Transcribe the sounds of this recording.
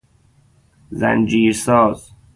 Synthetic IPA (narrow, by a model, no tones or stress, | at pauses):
zæ̰nd͡ʒiːɾsɔːz̥